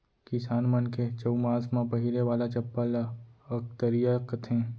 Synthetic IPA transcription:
kɪsaːnmənket͡ʃəumãːsmãpəɦiɾeʋaːlat͡ʃɐpːalaək̚t̪əɾijakət̪ʰẽː

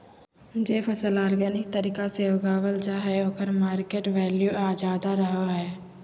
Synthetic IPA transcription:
d͡ʒeːpʰəsəlaːɾɡɛːnɪk̚t̪əɾiːkaseʋɡaːʋəld͡ʒaːɦɛoːkəɾmaːɾkeːʈʋɛːljuʔaːd͡ʒaːd̪aɾəɦaɦɛː

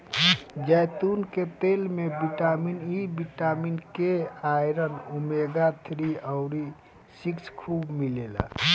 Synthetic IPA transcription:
d͡ʒəjt̪unket̪elmebiʈaminibiʈaminkeajɾənumeɡat̪ʰɾiəʊɾi | sikskʰubmilela̰

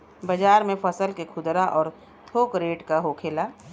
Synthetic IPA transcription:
bəd͡ʒaːɾmẽfʰəsəlkekʰʊd̪ɾaʔɔːɾ | t̪ʰoːkɾeːʈkaɦoːkʰeːlaː

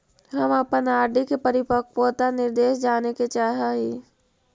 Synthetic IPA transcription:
ɦəməpənaːɾɖikepəɾɪpək̚poːt̪anɪɾd̪eːʃd͡ʒaːneket͡ʃaːɦaɦiː

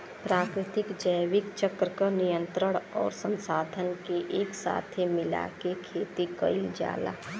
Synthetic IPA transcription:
pɾaːkɾɪt̪ɪkd͡ʒəjʋɪkt͡ʃəkɾəkanijə̃nt̪ɾəɽ̃ɔ̰ːɾsə̃nsaːd̪ʱənkeʔeːksa̰ːt̪ʰemɪla̰kekʰeːt̪ikəid͡ʒa̰ːla̰ː

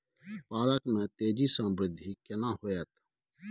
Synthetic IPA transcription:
paːɾəkmɛ̃ːt̪eːd͡ʒiːsə̃mbɾɪd̪ʱːiːkənãːhoːɛːt̪

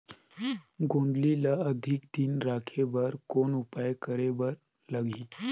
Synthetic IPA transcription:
ɡond̪lilaəd̪ʱikd̪iːnɾakʰeʋəɾkoɳupajkəɾeʋəɾ | ləɡʱi

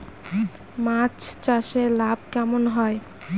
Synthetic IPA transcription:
mat͡ɕt͡ɕaʃelab̚kɛmonɦɔe

